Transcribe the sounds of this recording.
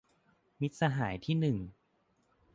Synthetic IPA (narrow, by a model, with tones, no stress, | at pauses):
mi˦˥t̪̚sa˧ɦaː˩˦jt̪ʰiː˥˩nɯ˨˩ŋ